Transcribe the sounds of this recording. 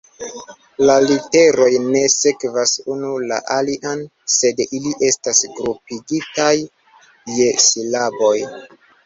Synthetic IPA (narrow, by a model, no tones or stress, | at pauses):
lalite̞ɾo̞jne̞se̞kvasunula̰ʔaliʔan | se̞diliʔe̞stasɡɾupiɡitajː | e̞silabo̞j